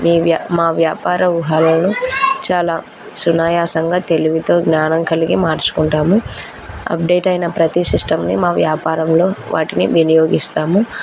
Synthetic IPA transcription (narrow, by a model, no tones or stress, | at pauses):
miːʋjamaːʋjaːpaːɾɐʋuɦaːlɐlnut͡ʃaːlaː | sunaːjaːsɐŋɡaːt̪e̞liʋit̪o̞ːɡnaːnɐŋkʰɐlikimaːɾt͡ʃu̥kuɳʈaːmu | ɐ̰p̚ɖe̞ːʈɐjnɐpɾɐt̪isisʈɐmnimaːʋjaːpaːɾɐmlo̞ːʋʔa̰ːʈiniʋinijo̞ːɡist̪aːmu